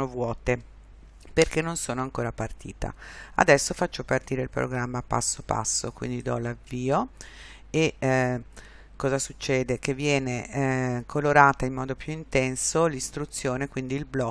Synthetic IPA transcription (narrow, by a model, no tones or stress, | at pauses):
ovwɔːt̪e | perkenːonsoːnoaŋkoːɾapart̪ḭːt̪a̰a̰d̪ɛsːofat͡ʃːopart̪iːɾeilpɾo̰ɡɾamːapa̰sːopa̰sːokwḭnd̪id̪ɔlavːiːo | e | kːɔːzasut͡ʃːɛːd̪ekevːjɛːnekʰoloɾaːt̪aimːɔːd̪opjuint̪ɛnsolist̪ɾut̪sːjoːnekwind̪iːlblɔ